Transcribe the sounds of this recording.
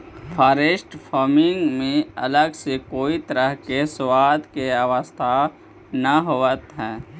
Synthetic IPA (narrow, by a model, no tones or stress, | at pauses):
pʰaːɾeːʃʈpʰɔːɾmɪ̃ŋɡmẽɐ̰ləɡsekoːit̪əɾəɦkeswaːd̪keaʋəst̪ʰa | nɐɦoːət̪ɦɛ̃ː